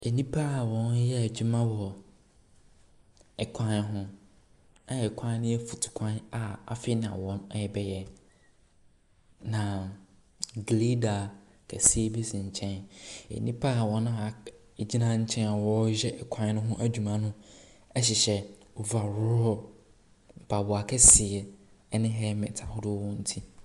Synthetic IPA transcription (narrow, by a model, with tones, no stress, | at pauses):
e˨nĩ˦pʰa˦˨wɔ̃˨˦n˦jɛ˦æ˨d͡ʑu˦mã˦wɔ˨ | ɛ˨kʷʰã˦n˦ɦʊ̃˦ | a˦jɛ˨kʷʰã˦n˦nɪ̃˦ɛ˦fu˨tʰʊ̥˨kʷʰã˦na˨a̰˨fɪ˦nã̰˨wɔ̃˦mɛ˦jɛ˨bɛ˦jɛ˨ | nã˨ | ɡle˦da˨ | kʰɛ̰˨si˦e˦bi˦sɪ˨ɲ̩˨t͡ɕʰɛ̃˦nḛ˨nĩ˦pʰa˦˨wɔ˨nʊ̃˦a˨ | d͡ʑi˦nã˦ɲ̩˦t͡ɕʰɛ̃˦na˨wɔ˦d͡ʑɛ˦ʔɛ˨kʷʰã˦n˦nʊ̃˦ɦʊ̃˦ʔæ˦d͡ʑᶣu˨mã˦nʊ̃˦ɛ˦ɕ̬ɪ˨ɕɛ˦˨wɔ˨va˨ɾʊ˦ɾɔ˨ | m̩˨pʰa˨bʊ˨a˨kʰɛ˦sɪ˨ɛ˨ | ɛ˦nɪ̃˦ɦɛ˦mɪ̃˨tʰa˨hʊ˦dʊ˦ɔ̃˦n̩˦tʰi˦